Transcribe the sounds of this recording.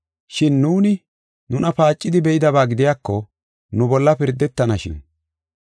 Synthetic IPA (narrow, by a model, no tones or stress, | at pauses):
ʃɪnːuːnɪ | nʊnɐpaːt͡ʃʼːɪd̪ɪbɛjɪd̪ɐbaːɡɪd̪ɪjaːkːɔ | nʊbɔlːɐpɪɾd̪ːɛt̪ːɐnɐʃɪ̰n